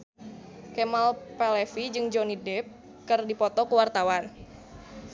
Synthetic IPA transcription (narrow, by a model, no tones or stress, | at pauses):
kemalpɛlɛfid͡ʒɨŋd͡ʒɔnidɛp̚ | kɨrdipɔt̪ɔkəwart̪awan